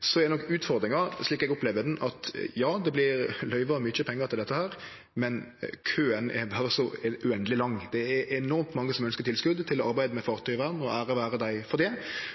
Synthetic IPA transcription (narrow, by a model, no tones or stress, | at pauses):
sɔɛd̪ɛnɔkːʉːt̪fɔɾd̪ɾɪŋɑʂɭiːkɛɡʊplɛːʋəd̪nʔɑt̪jɑːd̪ɛblɪɾlœʏʋɑmʏt͡ʃːəpʰɛŋːəʁt̪ɪld̪ɛt̪ːəhæːɾ | mɛnkʰøːɛnɛ̰ɾbɑːɾəsɔʉɛnd̪əlɪlɑŋːd̪̥ɛɛɛnɔɾmt̪mɑŋːəsɔmœnskəɾt̪ʰɪlskʉd̪t̪ʰɪlɔɑɾbæɪd̪əmɛfɑːʁt̪ʰœɪʋæːʁd̪n̩ɔʔæːɾəʋæːɾəd̪æɪfɔɾd̪ɛ